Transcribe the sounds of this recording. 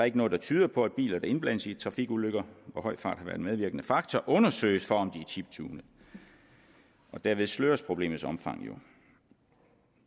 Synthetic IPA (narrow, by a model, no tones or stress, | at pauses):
ɑeɡənɔ̽ːð̩ˠdɑ̈t͡sʰyːð̞ˠɐpʰɒ̽æd̥̚b̥ḭːlɐd̥ɑ̈e̝nb̥læn̰əsit͡sʰʁɑ̈fiɡ̥uløɡ̥ɐʋɒhɒ̽ɪ̰fɑ̈ːd̥hɑʋæɐd̥enmeðˠʋiɐɡ̥ənəfɑ̈ɡ̥t͡sʰɒʔɔ̽nɐsø̰ːɪsfɒ̽ɒ̽md̥iæɐt͡sʰib̥̚t͡sʰṵːnəð̩ˠ | ʔɒ̽d̥æɐʋe̝ðˠsløːɐspʰʁo̝b̥le̝̰ːmð̩ˠsɒ̽mfɑ̈ŋ̰jo̝